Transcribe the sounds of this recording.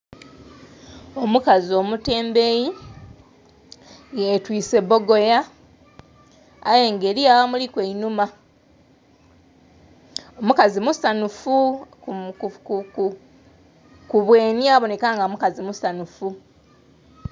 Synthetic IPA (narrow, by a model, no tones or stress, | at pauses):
omukazio̞mute̞ːmbeji | etwiːse̞bo̞ɡo̞ja | jeŋɡe̞ːliawamulikwe̞inuma | omukazimusanufu | kk | kuβweːniaβo̞ne̞kaːŋɡamukazimusanufu